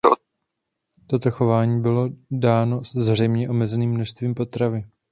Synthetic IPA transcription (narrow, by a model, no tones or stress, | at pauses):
t̪o̞t̪o̞xo̞vaːɲiːbɪlo̞daːno̞zr̝ɛjmɲɛʔo̞mɛzɛniːmːnoʃst̪viːmpo̞t̪ɾavɪ